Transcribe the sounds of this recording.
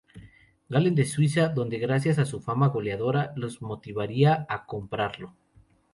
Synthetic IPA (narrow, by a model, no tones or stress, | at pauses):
ɡalend̪e̞swis̬aðo̞nd̪e̞ɣɾas̬jas̬asufamaɣo̞leaðo̞ɾalo̞zmo̞t̪iβaɾiaako̞mpɾaɾlo̞